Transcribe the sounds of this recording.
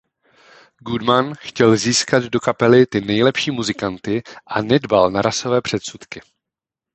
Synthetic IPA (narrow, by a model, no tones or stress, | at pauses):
ɡudmanxcɛlziːskad̪do̞kapɛlɪt̪ɪnɛjlɛpʃiːmuzɪkant̪ɪʔanɛdbalnaɾaso̞vɛːpr̝̥ɛt̪sut̪kɪ